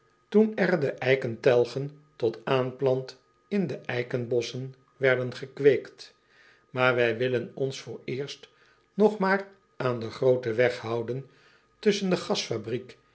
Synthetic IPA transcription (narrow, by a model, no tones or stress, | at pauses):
tunɛɹdəʔɛjkəntɛlˠχəntɔtaːnplɑnt | ɪndəʔɛjkənbɔsən | ʋɛɹdənχəkʋeːjkt | maːɹʋɛjʋɪlənɔnsfʊːɹɪːɹst | nɔχmaːr | ʔaːndəχrowtəʋɛχhɑwdən | tɵsəndəχɑsfabrik